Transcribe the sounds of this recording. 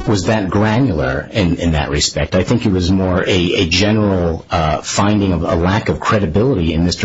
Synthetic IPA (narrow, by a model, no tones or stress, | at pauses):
wʌzðɨt̚ɡ̥ɹæ̃njl̩ˠə˞ɪ̃nɨ̃nðɨ̰ʔ̚ɹɨspɛk̚taɪθɪ̃ŋkɨt̚wʌzmɔɹɨɨd͡ʒɛnə˞l̩ˠfãɪ̃ndɪ̃ŋʌvə̰lækʌv̥kʰɹ̥ɛɾɨbɪlˠəɾiɨ̃nðɪst